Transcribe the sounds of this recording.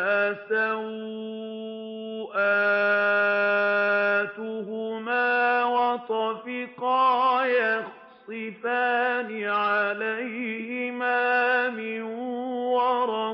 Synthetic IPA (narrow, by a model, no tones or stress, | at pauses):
ʔasaw | ʔa | t̪ʊɦʊmaːwɑt̪ˤɑfɪqɑːjax | sˤɨfaːnɪʕalajhɪmaːmɪnwɑɾˤɑ